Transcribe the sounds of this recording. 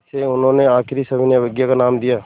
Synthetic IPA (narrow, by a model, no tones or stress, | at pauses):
seʊnɦõneaːkɪɾisɐbʱɪnjeʋɪɡjakanaːmd̪ijaː